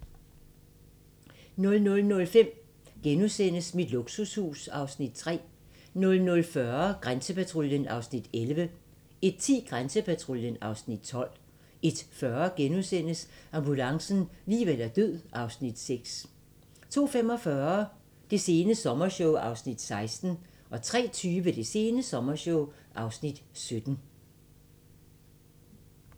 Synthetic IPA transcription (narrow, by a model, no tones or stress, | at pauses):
nɔ̽lnɔ̽lnɔ̽lfem̰ | ɡ̥enuðˠsen̰əsmid̥loɡ̥sushṵːsɑ̈ʊsnid̥̚t͡sʰʁɛ̰ː | nɔ̽lnɔ̽lfɶɐɡ̥ʁansəpʰæt͡sʰʁoljənɑ̈ʊsnid̥elʋə | e̝d̥̚t͡sʰḭːɡ̥ʁansəpʰæt͡sʰʁoljənɑ̈ʊsnid̥̚t͡sʰɒ̽l̰ | e̝d̥fɶːɐɡ̥enuðˠsen̰əsɑ̈mb̥ulɑ̈ŋsn̩liːʋel̰æɐd̥øð̰ˠʔɑ̈ʊsnid̥seɡ̥s | t͡sʰo̝̰ːfem̰ɒ̽fɶːɐ | d̥e̝se̝ːnəsɒ̽mɐɕɔʊɑ̈ʊsnid̥sɑ̈ɪsd̥n̩ | ʔɒ̽t͡sʰʁɛ̰ːt͡sʰyːʋəd̥e̝se̝ːnəsɒ̽mɐɕɔʊ | ʔɑ̈ʊsnid̥sød̥n̩